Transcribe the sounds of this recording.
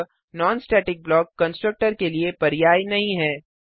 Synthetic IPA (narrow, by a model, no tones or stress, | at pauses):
nɔːnsʈɛːʈɪk̚blɔːkːɐ̃nsʈɾək̚ʈəɾkeliepɐɾɪjaːinɐɦĩɦɛː